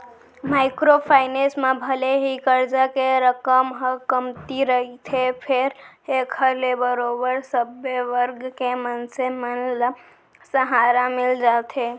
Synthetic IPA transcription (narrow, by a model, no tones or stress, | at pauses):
maɪkɾopʰaɪnesmebʱəleɦikəɾd͡ʒakeɾəkəmɦəkəmt̪iɾəɦit̪ʰepʰeɾekʰəɾlebəɾobəɾsəbeʋəɾɡkemənsemənla | səɦaɾamild͡ʒat̪ʰe